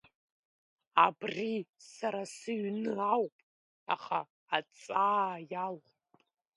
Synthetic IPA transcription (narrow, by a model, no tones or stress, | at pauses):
abrisaɾasɨɥnɨawpʼ | a̰χaː | t͡sʼaːjal | pʼ